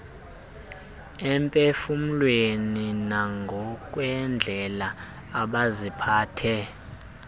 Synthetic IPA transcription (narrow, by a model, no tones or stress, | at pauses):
ɛmpʼefum̩lweninaŋɡʱɔk̬ʼwɛnd͡ɮʱɛlaː | ɓazipʰaːtʰɛ